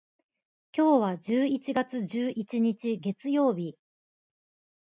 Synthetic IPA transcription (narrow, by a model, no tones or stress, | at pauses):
kʲo̞ːβ̞ad͡ʑɨːit͡ɕiɡat͡sɨʑd͡ʑɨːʔit͡ɕiɲ̟it͡ɕiɡe̞t͡sɨjo̞ːbʲi